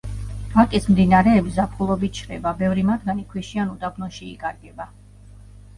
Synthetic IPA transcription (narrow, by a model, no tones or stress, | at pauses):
akʼismd̪inaɾɛːbizapʰχulˠɔbit̪t͡ʃʰɾɛ̰babɛvɾimad̪̚ɡanikʰwiʃianud̪abnɔʃḭːkʼaɾɡɛba